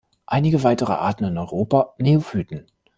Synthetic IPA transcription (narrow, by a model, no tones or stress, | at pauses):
ʔaɪnɪɡəvaɪtəʁə̰ʔa̰ːɐtn̩ɪnɔʏʁoːpaneofyːtn̩